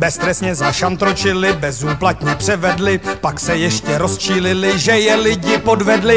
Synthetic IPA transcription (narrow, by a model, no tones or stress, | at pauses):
bɛst̪ɾɛsɲɛzaʃant̪ɾot͡ʃɪlɪbɛzuːplat̪ɲɛpr̝̥ɛvɛdlɪpaksɛjɛʃcɛɾo̞st͡ʃiːlɪlɪʒɛjɛlɪɟɪpo̞dvɛdlɪ